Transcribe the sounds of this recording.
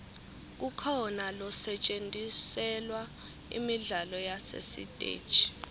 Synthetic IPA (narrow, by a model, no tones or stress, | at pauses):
k̬ukʰɔnalɔsɛt͡ʃʼendʱisɛlwa | ḭmiɮalɔjasḛsḭd̥ʼʱḛ̥ːt͡ʃi̥